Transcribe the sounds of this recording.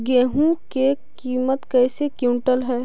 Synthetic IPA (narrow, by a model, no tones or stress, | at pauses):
ɡeːɦũke | kiːmət̪kɛːsekjuːɳʈəlɦɛː